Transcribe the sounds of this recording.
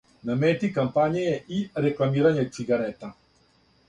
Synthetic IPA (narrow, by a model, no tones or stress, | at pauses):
namɛt̪ikampaɲɛiɾɛklamiɾaɲat͡siɡaɾɛt̪a